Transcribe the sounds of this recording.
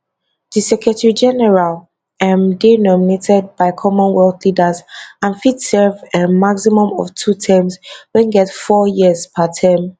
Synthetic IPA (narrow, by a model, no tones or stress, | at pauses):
ðisɛkɹətʰɛɹid͡ʒɛnɛɹal | ɛmdenɔminetɛd̚baɪkʰɔmɔ̃nwɛldlidəzãnfidsɛvɛmaksimɔ̃mɔ̰ftʰutʰɛ̃mswɛ̃nɡɛtfɔjizpʰatʰãm